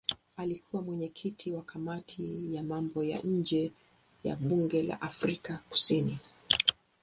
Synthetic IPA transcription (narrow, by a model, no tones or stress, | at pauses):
alikuwamwɛɲɛkʰitʰiwakʰamatʰijamambɔja̰ɲ̩d͡ʒɛ | ja̰ɓuŋɡɛla̰ʔafɾikaku̥sini